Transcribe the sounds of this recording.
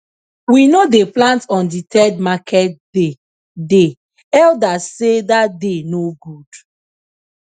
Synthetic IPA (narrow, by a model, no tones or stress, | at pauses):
winodeplãntɔ̃nditʰɛd̚makʰɛt̚de | de | ɛldasedadenoɡud̥